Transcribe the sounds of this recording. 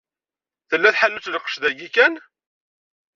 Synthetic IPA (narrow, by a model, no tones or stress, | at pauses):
θəlːæθħalːut͡sləqːə̥ʃðæɡikæn